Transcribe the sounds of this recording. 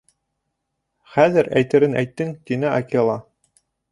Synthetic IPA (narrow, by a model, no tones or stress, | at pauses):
χæðɘɾæ̰jt̪ɘ̆ɾɘnæ̰jt̪ːɘŋt̪inɘʔɑkʲelˠɑ